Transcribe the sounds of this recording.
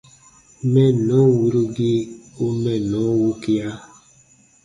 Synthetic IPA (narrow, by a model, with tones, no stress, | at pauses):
mɛ˦˨nɔ˨˦wu˨ɾu˦ɡi˦o˦mɛ˦nɔ˨˦wu˦ki˦a˦